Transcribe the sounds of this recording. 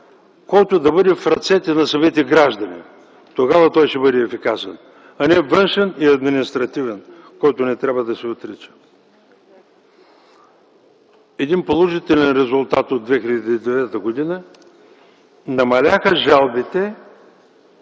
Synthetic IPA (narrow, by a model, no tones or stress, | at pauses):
kɔjt̪od̪ɐbɤd̪ɛfɾɐt̪sɛt̪ɛnɐsɐmit̪ɛɡɾaʒd̪ɐnḭ | t̪oɡavɐt̪ɔjʃɛbɤd̪ɛːfikasɛ̰n | ɐnɛvɤnʃɛniɐd̪minist̪ɾɐt̪ivɛn | kɔjt̪onɛt̪ɾʲabvəd̪ɐsɛot̪ɾit͡ʃə̥ | ɛd̪inpolˠoʒit̪ɛlʲɛnɾɛzʊlˠt̪at̪od̪vɛxilʲɛd̪iːd̪ɛvɛt̪əɡod̪inə | nɐmɐlʲaxəʒalˠbit̪ɛ